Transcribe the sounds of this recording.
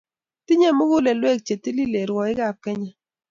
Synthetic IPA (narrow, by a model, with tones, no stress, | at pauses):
ti˦ɲe˦˨mʊ˦ɡʊ˦le˨lwe˦˨k̚t͡ʃe˨ti˦li˦le˨ɾwɔ˨ɪ˦ɡa˦˨kɛ˦ɲa˦